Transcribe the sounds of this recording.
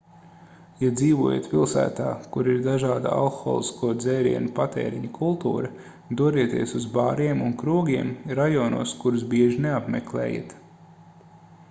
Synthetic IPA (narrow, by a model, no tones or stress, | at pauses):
jad̪ziːʋuɔjḛt̪pʲilˠsæ̰ːt̪a̰ːkuɾiɾd̪aʒɑːd̪a̰a̰lˠxɔ̰ːlˠiskuɔd̪zɛjɾḭɛnupat̪ɛ̰ːɾiɲɐkʰulˠt̪ṵːɾɐ | d̪uɔɾiɛt̪iɛsuzbaːɾiɛmunkɾuɔɡʲiɛmɾajɔːnuɔskuɾusbiɛʒineapmɛklˠɛ̰ːja̰t̪